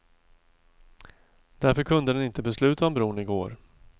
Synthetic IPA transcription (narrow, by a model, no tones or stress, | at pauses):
d̪̥æɾfœɾkʰɵnd̪əd̪ɛnɪnt̪əbɛslʉ̟ːt̪aɔmbɾuːɳɪɡo̰ːɾ